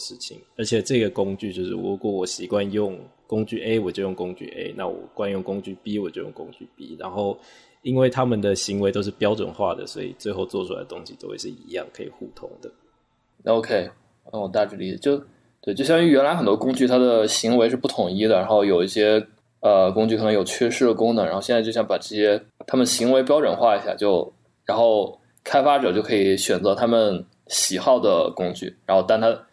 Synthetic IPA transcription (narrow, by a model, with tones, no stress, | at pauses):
ʂɻ̩˥˩t͡ɕʰi˨˩ŋə˞˧˥t͡ɕʰjɛ˨˩ʈ͡ʂɤ˥˩ɡə˩kʊ˥ŋt͡ɕy˥˧t͡ɕjo˥˧ʊʂɻ̩̰˥˩ɻu˧˥kwɔ˨˩wɔ˨˩ɕi˨˩kwa˥˧njʊ˥˨˩ŋkʊ˥ŋt͡ɕy˥˩ʔe˥ɪwɔ˨˩t͡ɕjo˥˧ʊjʊ˥ŋkʊ˥ŋt͡ɕy̰˥˩ʔḛ˥ɪna̰˥˩wɔ̰˨˩kwa˥njʊ˥˩ŋkʊ˥ŋt͡ɕy˥˩pi˥wɔ˨˩t͡ɕjo˥˧ʊjʊ̰˥˩ŋkʊ˥ŋt͡ɕy̰˥˩pi˥ɻa˧˥nxo˥˩ʊ | i˥nwe˥˩ɪt̪ʰa˥mə˨nd̪ə˩ɕi˧˥ŋwe˧ɪt̪o˥ʊʂ̬ɻ̩˥˩pjɑ˥ʊʈ͡ʂwə̰˨˩nxwa̰˥˩d̪ə̰˩swɔ̰˧˥ḭ˨˩t͡swe˥˧xo˥˧ʊt͡swɔ˥˩ʈ͡ʂʰu˥a̰˧ɪd̪ə˩t̪ʊ˥ŋɕi˨t̪o˥xwḛ˥˧˩ʂɻ̩˥˩i˧˥jɑ̰˥˩ŋkʰɤ˧˥ḭ˨˩xu˥˩t̪ʰʊ˥ŋd̪ə˨ | o˧ʊkʰe˥ɪ | a˥wɔ˨˩t̪a˥˧ʈ͡ʂɻ̩˥˩li˨˥˩t͡ɕjo˥˩ʊ | t̪we˥˧t͡ɕjo˥˧ʊɕjɑ˥˧ŋy˥˩ɥɛ˧˥nla˧ɪxə˨˩nt̪wɔ˥kʊ˥ŋt͡ɕy˥˩t̪ʰa˥d̪ə˨ɕi˧˥ŋwe˧˥ɪʂɻ̩˥˧pu˥˩t̪ʰʊ˧˨˥ŋi˥d̪ə˨ɻa˧˥xo˥˩ʊjo˨˩ʊi˥˩ɕjɛ˥ | ə˧kʊ˥ŋt͡ɕy˥˩kʰɤ˨˩n˧˥ŋjo˨˩ʊt͡ɕʰɥɛ˥˧ʂɻ̩˥˩d̪ə˩kʊ˥ŋnə˨˩ŋɻa˧˥˧ɕɛ˥˧˥jo˥˧ʊ˥jpa˨˩ʈ͡ʂɤ˥˩ɕjɛ˥t̪ʰa˥mə˨nə˩ɕi˧˥ŋwe˧˥ɪp̬jɑ˥ʈ͡ʂwə̰˨˩nxwa˥˩i˧˥ɕja̰˥˩t͡ɕjo˥˩ʊ | ɻa˧˥nxo˥˩ʊ | kʰa˥ɪfa˥ʈ͡ʂɤ˨˩t͡ɕjo˥˩ʊkʰɤ˧˥i˧˩ɕɥɛ˨˩nt͡sɤ˧˥t̪ʰa˥mə˨n | ɕi˨˩xɑ˥˩ʊd̪ə˩kʊ˥ŋt͡ɕy̰˥˩ɻa˧˥nxo˥˧ʊa˥˧nt̪ʰa˥